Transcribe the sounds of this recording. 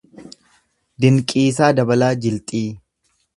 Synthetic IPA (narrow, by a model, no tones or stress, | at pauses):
d̪ɪŋkʼiːsaːd̪ɐbɐlaːd͡ʒɪlt̪ʼiː